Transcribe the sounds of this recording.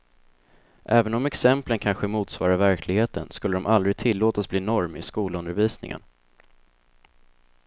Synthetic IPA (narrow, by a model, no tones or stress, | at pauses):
ʔɛːvənɔmɛksɛmplənkʰanɧəmuːt̪svɑːɾavæɾkʰlɪɡheːt̪ənskɵlːəd̪ɔmʔald̪ɾɪɡ̚t̪ʰɪlːoːt̪asbliːnɔɾmɪ̰skuːlɵnd̪əɾviːsnɪ̰ŋʔə̰n